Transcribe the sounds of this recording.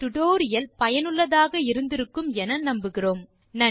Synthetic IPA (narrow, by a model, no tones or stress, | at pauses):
t̪ʊɽoːɾɪjɐlpɐjɐnɯɭːɐðaːɣɐɪɾɯnd̪ɪɾɯkːɯmɛnɐnɐmbɯɣɪroːm | nɐ